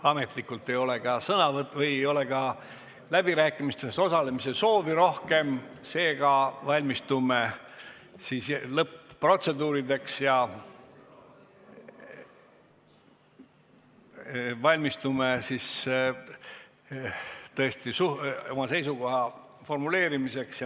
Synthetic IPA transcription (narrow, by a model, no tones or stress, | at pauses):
ɑme̞t̪ˑlikːˑult̪ːˑe̞jo̞le̞ɡ̥ɑsɤnɑvɤt̪vɤjejo̞le̞ɡɑ | læb̥iɾæːkːˑimist̪e̞st̪o̞sɑle̞mise̞so̞ːviɾo̞hke̞mse̞ːɡ̥ɑvɑlʲmist̪ume | siːslɤpːro̞t̪se̞d̪uːɾid̪e̞ksjɑ | vɑlʲmist̪umesis | t̪ɤ̞est̪isuo̞mɑse̞jsuko̞ɦɑ | fo̞rmule̞ːɾimise̞ksjɑ